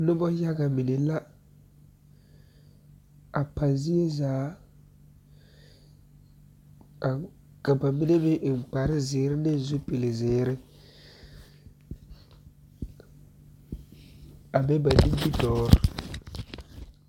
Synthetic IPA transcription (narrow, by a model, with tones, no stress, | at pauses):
nʊ˦bɔ˦ja˦ɡa˨mi˨ne˨la˦ | a˨pa˨nzi˦e˦zaː˨˦˨ | ka˨ba˨mɪ˦ne˦bɪ˦ʔŋ˨k͡pa˨ɾɪ˦zɪː˨˦ɾɪ˦nɪ˦n˨zu˦pi˨lɪ˨zɪː˨˦ɾɪ˦ | a˨bɛ˦ba˨ni˦bi˦dɔː˦ɾɪ˨